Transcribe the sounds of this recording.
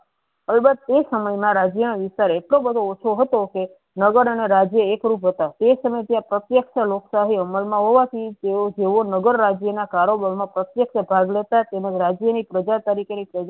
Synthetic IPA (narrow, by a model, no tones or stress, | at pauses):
əlbət̪̚ːesəməjmãɾad͡ʒjənoʋɪst̪aɾeʈlobəd̪ʱoːt͡ʃʰoɦət̪oke | nəɡəɾəneɾad͡ʒjəekɾupɦət̪at̪esəməjt̪jãpɾət̪jəkʃaloksaɦiəməlmãɦoʋat̪ʰit̪eod͡ʒeʋonəɡəɾːad͡ʒjənakaɾobəɾmãpɾət̪jəkʃabʱaɡlet̪at̪emad͡ʒɾad͡ʒjənipɾəd͡ʒat̪aɾikʰenipɾəd͡ʒ